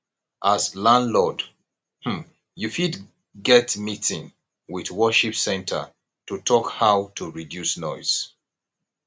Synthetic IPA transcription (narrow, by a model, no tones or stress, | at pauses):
ʔazlãndlɔd | hm̩ | jufid | ɡɛtmitɪ̃ŋ | wiðwɔʃipsɛ̃ntʰə̰ | tutʰɔkhaʊtʰuɹidjusnɔɪz̥